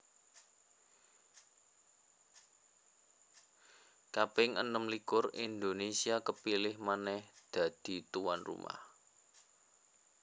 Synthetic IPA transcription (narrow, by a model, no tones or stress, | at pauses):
kapɪŋʔə̰nəmlikʊrḭnd̪onesiakəpilɪhmanɛhd̪̥a̤d̪̥i̤t̪uwa̰nrṵmʔa̰h